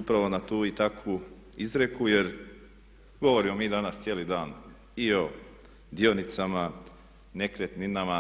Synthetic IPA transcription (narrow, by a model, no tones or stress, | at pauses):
upɾaʋo̞nat̪uːit̪akʰu | izɾe̞kujeɾ | ɡo̞ʋo̞ɾimomiːd̪anast̪sjeːlid̪aːn | io̞ | d̪ionit̪sama | nekɾet̪ninama